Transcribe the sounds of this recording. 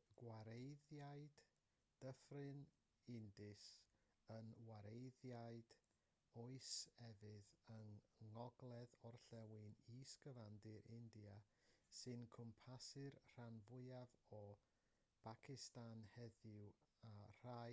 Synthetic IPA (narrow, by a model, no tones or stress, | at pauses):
ɡ̥waɾejðjaɨd̥ | d̥əfrɨn | ɪndɨs | ənwaɾejðjaɨd̥ | ɔɨsɛvɨðəŋːɔɡlˠɛðɔrɬɛwɪniːskəvandɨɾɪndia | sɨnkʰʊmpʰasɨrr̥anvʊɨavɔ | b̥ʰakʰɪstanhɛðɪwar̥a